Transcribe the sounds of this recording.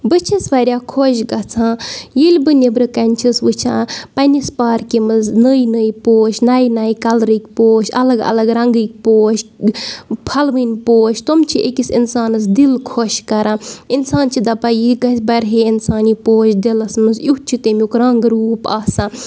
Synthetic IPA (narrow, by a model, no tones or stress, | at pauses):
bɨt͡ʃʰisʋɐɾʲjaːkʰoʃɡɐt͡sʰãjilʲbɨnebɾɨkɐnʲt͡ʃʰisʋɨt͡ʃʰãːpɐnʲispaːɾkʲimɨznəjnəjpoːʃnajnɐːjkɐlɾɨkʲpoːʃɐ̰lɐɡɐ̰lɐɡɾɐŋɡɨk̚ʲpoːʃ | pʰɐlʋɨnʲpoːʃt̪omt͡ʃʰiʔekisḭnsaːnɨs̬d̪ilkʰoʃkɐɾãːinsaːnt͡ʃʰid̪ɐpajiɡɐsbɐɾɦeinsaːnipoːʃd̪ilɐsmɨsjuɦt͡ʃʰit̪emʲukɾɐŋɡɾuːpaːsã